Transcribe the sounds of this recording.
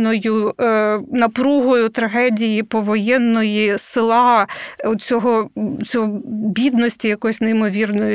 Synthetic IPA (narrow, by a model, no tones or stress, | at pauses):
nɔjʊ | nɐpɾuɦɔjʊt̪ɾɐɦɛdʲijipɔʋɔjɛnːɔjisɪlˠɑɔt͡sʲɔɦɔt͡sʲɔɦɔbʲid̪nɔsʲtʲijɐkɔjʊsʲnɛjɪmɔʋʲirnɔjʊ